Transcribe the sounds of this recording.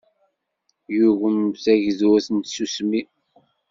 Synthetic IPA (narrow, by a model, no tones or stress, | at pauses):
juʝəmθæʝðwæθənt̪susmi